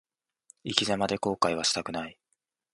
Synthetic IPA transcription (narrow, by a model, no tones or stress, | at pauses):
ikʲizamad̪e̞ko̞ːkaiβ̞aɕi̥t̪akɯ̟nai